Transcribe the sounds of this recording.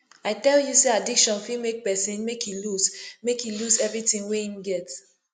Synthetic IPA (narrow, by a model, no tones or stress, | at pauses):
aɪtɛljuseadikʃɔ̃nfimek̚pɛsĩnmekʰjilusmekjiluzɛvɹitĩŋweĩmɡɛt